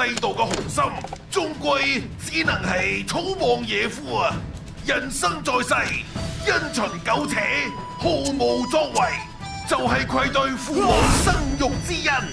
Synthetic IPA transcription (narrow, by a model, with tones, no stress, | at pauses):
ɐ˧jt̪o˨wkɛ˧hʊ˨˩ŋsɐ˥mt͡sʊ˥ŋkʷɐ˧jt͡siː˨˥nɐ˨˩ŋhɐ˨jt͡sʰo˥wmɔː˨ŋjɛː˨˧fuː˥ɐ˨˧ | jɐ˨˩nsɐ˥ŋt͡sɔː˧jsɐ˧jjɐ˥nt͡ʃʰɵː˨˩nkɐ˨˥wt͡sʰɛː˨˥ | ho˨˧wmo˨˧wt͡sɔː˧˥k̚wɐ˨˩j | t͡sɐ˨wɦɐ˨jkʷʰɐ˧jt̪ɵ˧ɥfuː˨mɔ˨˩wsɐ˥ŋjʊ˨ŋk̚t͡siː˥jɐ˥n